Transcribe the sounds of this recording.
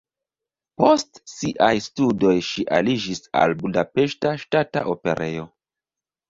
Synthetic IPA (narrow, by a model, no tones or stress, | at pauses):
po̞stsiʔajstudo̞jʃiʔa̰lid͡ʒisa̰lbudape̞ʃtaʃtata̰ʔo̞pe̞̰ɾʔe̞̰jo̞